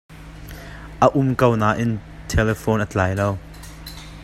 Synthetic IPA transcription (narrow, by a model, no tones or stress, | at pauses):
ʔəʔʊmkownaːʔɪn | tʰɛlɛfoːnʔət͡ɬaːjlow